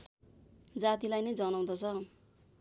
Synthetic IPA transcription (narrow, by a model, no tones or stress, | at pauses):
d͡zat̪ilajnʌjd͡zʌnaw̃d̪ʌt͡sʰʌ